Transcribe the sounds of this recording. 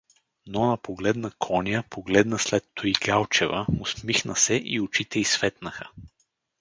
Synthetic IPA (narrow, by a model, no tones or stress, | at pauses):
nɔnɐpoɡlɛd̪nəkʰɔnʲjəpʰoɡlɛd̪nəslɛt̪ːoiɡalˠt͡ʃɛvəʊsmixnəsɛʔḭot͡ʃit̪ɛisvɛt̪nəxə